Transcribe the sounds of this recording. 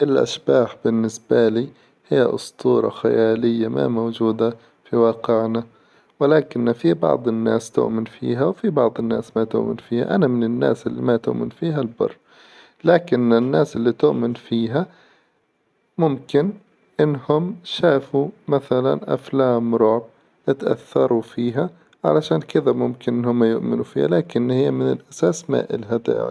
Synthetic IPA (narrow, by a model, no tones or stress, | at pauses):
ʔɪlʔa̰ʃbaːħbɪnːɪsbaliː | hɪjːa̰ʔʊ̰st̪ʰˤuːɾˤɑ̰xa̰jaːlɪjːama̰moːd͡ʒuːd̪a | fiwɑːqɪʕna | wɪlaːkɪnːafibɑ̰ʕd̪ˤɪnːaːst̪ʊ̰ʔmɪnfḭːɦawfibɑʕd̪ˤɪnːaːsmat̪ʊ̰ʔmɪ̰nfiːha̰ʔanamɪnɪnːa̰ːsʔɪlːimat̪ʊ̰ʔmɪnfiːɦalbɑ̰rˤː | laːkɪnɪnːaːsɪlːit̪ʊʔmɪnfiːɦa | mʊmkɪn | ʔɪnːhʊmʃaːfumaθala̰nʔa̰flaːmɾʊʕb̚ | ɪt̪ʔa̰θːɑɾˤufiːɦa | ʕa̰laʃaːnkɪðamʊmkɪnʔɪnhʊmːajʊʔmɪnufiːha̰laːkɪnːhɪjːamɪnɪlʔasaːsma̰ʔɪ̰lɦad̪a̰